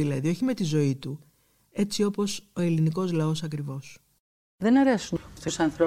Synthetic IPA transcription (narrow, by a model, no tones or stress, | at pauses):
ilɐðio̞çime̞t̪izo̞it̪u | e̞t͡sio̞po̞so̞e̞liniko̞zlɐo̞sɐkɾivo̞s | ðe̞nɐɾesunt̪osɐnθɾo